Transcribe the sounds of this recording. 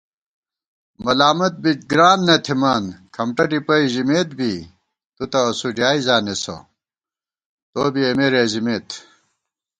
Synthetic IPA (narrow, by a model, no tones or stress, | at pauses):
mɐlaːmɐt̪̚bit͡ɕɡɾaːnːɐt̪ʰimaːnkʰɐmʈɐʈipɐiʑimeːt̪̚bi | t̪ut̪ɐːsud͡ʑjaːizaːneso̰ | t̪oːbiɐmeɾeːzimeːt̪